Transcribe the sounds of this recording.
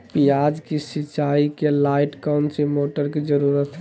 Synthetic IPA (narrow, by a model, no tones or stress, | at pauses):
pijad͡ʒkesit͡ʃaikelaɪʈkawnsimoʈəɾked͡ʒəɾuɾət̪